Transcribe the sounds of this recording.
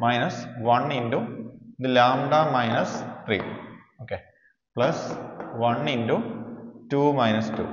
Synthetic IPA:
mɐjnɐsʋɐɳinduid̪ɨlaːmɖaːmɐjnɐst̪rḭːoːkːe | pɭɐsʋɐɳindutuːmɐjnɐstṵː

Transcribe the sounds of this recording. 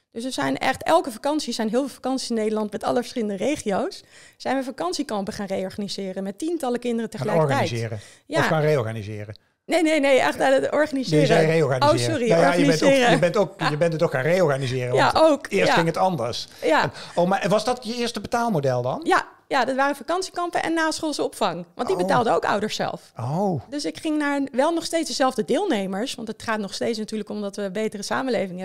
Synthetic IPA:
d̥øsəzɛjnɛ̰χtɛlˠkəfakɑnsiz̥ɛjnɦɪːlˠvɪlˠfakɑnsi̥sɪnːejdəlɑntmɛtɑ̰ləvəsχɪləndərejχiowsz̥ɛjnʋəfakɑnsikɑmpəχaːnrejɔɹχanizɪːrənmɛtintɑləkɪndərəntəχəlɛjɔkɹajzɪːɾə | jaaːnrejɔɹχanizɪ̰ːrə | nejnejnejɛ̰χtaətɔɹχanizzɛrejɔɹɣanowsɔrinajajəabɛnoːəəbɛntokjəbɛntətokxaːnrejɔɹχanizɪːɾəjaʔowkɪːɹsχɪŋətɑndəɹsjanowmaːɹʋɑzdɑtjəɪːɹstəbətaːlˠmodɛlˠdɑ̰nja | jadɑtʋaːrəfakɑnsikɑmpənʔɛ̰nːaːsχolˠsəɔpfɑŋʋɑ̰ntdibətaːlˠdəowkʌ̰wdəɹsɛ̰lˠfodøsɪkχɪŋnaːɹʋɛlˠnɔχstejtsdəzɛlˠvdədɪːlˠnejməɹsʋɑntɦətχaːtnɔχstejtsnatyːɹləkɔmdɑtʋəbejtərəsa̰ːməlejvɪŋɦɛ

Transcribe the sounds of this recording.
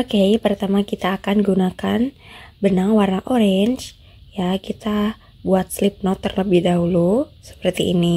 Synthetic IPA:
okepərt̪amakit̪aːkanɡunakanbənaŋwarnaʔoɾɛɲd͡ʒ | jakit̪a | buat̪̚slip̚nɔt̪ːərləbɪhdaɦulusə̥pərt̪iːni

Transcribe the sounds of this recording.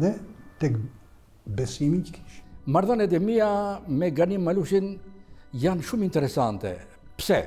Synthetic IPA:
ðɛt̪ɛk | bɛsimickʰi̥ʃmaɾðɔnɛd̪ɛmiamɛɡanimːaluʃin | janʃumint̪ɛɾɛsant̪ɛ̰ | psɛ̰

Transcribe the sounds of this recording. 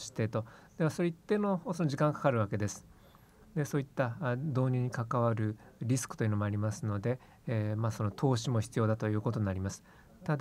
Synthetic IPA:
ɕi̥t̪et̪o̞d̪̥e̞βaso̞ɾeit̪ːenohosonoʑikãŋɡakʰḁkaɾɯ̟βake̞d̪e̞sɨ̥ | d̪e̞so̞ːit̪ːad̪o̞ːɲ̟iɲ̟ikakaβaɾɯ̟ | ɾʲisɨ̥kɯ̟̥t̪oiɯ̟nomo̞aɾʲimasɨno̞d̪e̞ | maːso̞no̞t̪ʰo̞ːɕimo̞çi̥t͡sɨjo̞ːd̪at̪o̞jɯ̟ːko̞t̪̬o̞ɲ̟naɾʲimasɨ̥ | t̪ad̪

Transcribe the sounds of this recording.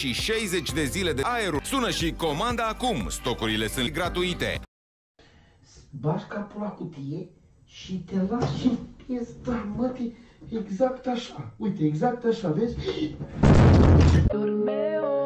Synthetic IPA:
ʃiʃejze̞t͡ʃʲd̪e̞zile̞d̪eaeɾusunəʃiko̞mand̪əakumst̪o̞kuɾile̞sɨnɡɾat̪uit̪e̞̰ | sbaʃkapulakut̪ije | ʃit̪elasʃipjest̪ərmət̪i | eɡzakt̪aʃaujt̪eeɡzak̚t̪aʃavezʲ | t̪ulmew

